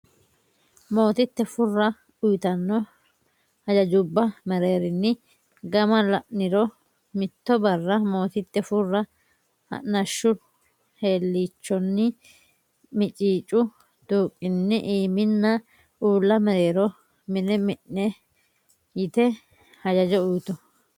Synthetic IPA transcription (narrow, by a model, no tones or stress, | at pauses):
mo̞ːt̪ɪt̪ːɛfʊrːɐ | ʊjɪt̪ɐnːɔ | hɐd͡ʒɐd͡ʒʊbːɐmɛɾe̞ːɾɪnːɪ | ɡɐmɐlɐʔnɪɾɔ | mɪt̪ːɔbɐrːɐmo̞ːt̪ɪt̪ːɛfʊrːɐ | hɐ̰ʔnɐʃːʊ | he̞ːlːiːt͡ʃːɔnːɪ | mɪt͡ʃʼiːt͡ʃʼːʊ | d̪̥uːkʼːɪnːɪʔiːmɪnːɐ | uːlːɐmɛɾeːɾɔ | mɪnɛmɪʔːɛ | jɪt̪ɛ | hɐd͡ʒɐd͡ʒɔʊjt̪ɔ